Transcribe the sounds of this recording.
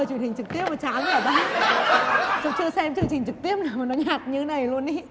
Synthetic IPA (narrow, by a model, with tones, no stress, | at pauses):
t͡ɕwənhï˨˩ŋ̟t͡ɕɨ˨˩k̚t̪i˦˥əp̚maː˨˩t͡ɕaː˨˦mə˧˦əː˧˩ɓa˧˦ŋ | sɔ˧˦ŋ͡mt͡ɕɨ˧əsɛ˧mt͡ɕɨ˧ŋt͡ɕï˨˩ŋ̟t͡ɕɨ˨˩k̚t̪i˦˥əp̚naː˨˩wma˨˩nɔ˨˦ɲaː˨˩t̚ɲɨ˧e˨˦na˨˩jlu˧ənɗi˨˦